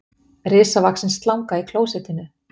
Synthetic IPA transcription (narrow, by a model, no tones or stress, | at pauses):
rɪːsavaksɪnst̪lawŋkaikʰloːwsɛt̪ɪnːʏ